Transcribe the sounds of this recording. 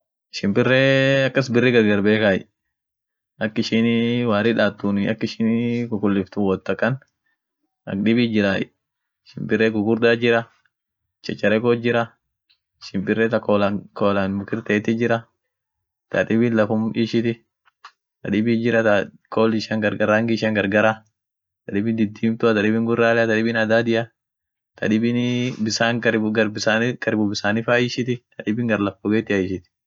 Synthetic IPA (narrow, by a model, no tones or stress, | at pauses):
ʃɪmbɪrːeːɐkːɐsbɪrːɪɡɐɾɡɐɾbeːkaːjɪ̰ | ʔɐkːɪʃɪnwaːɾɪᶑaːt̪ːunɪɐkːɪʃɪːnkʊkʊlːɪft̪ʊwɔt̪ːɐkːɐn | ɐ̰kᶑɪbɪd͡ʒɪɾaːjɪ | ʃɪmpɪrːeːɡʊɡʊɾd̪aːd͡ʒɪɾɐ | t͡ʃːɐt͡ʃːɐɾɛkɔd͡ʒɪɾɐ | ɪʃɪmpɪrːɛt̪ɐkoːlɐkoːlanmʊkɪɾt̪eːt̪ɪd͡ʒɪɾɐ | t̪ɐ̰ᶑ̪ɪbɪnlɐfɔmʔɪʃɪt̪ɪ | t̪ɐᶑɪbɪd͡ʒɪɾɐt̪a | koːlɪʃaŋɡɐɾɡɐɾaːŋɡɪɪʃaŋɡɐɾɡɐɾa | t̪ɐᶑɪbɪnd̪ɪd̪ːiːmt̪ʊɐt̪ɐᶑɪbɪŋɡʊrːaːlɛɐt̪ɐᶑɪbɪnɐd̪aːd̪ɪʔɐ | t̪ʰɐ̰ᶑɪbɪnbɪsaːŋɐɡɐɾbɪsaːnkɐɾɪbʊbɪsaːnɪfaːjɪʃɪt̪ɪt̪ɐᶑɪbɪŋɡɐɾlɐfɔɡeːt̪ɪɐɪʃɪt̪ɪ̥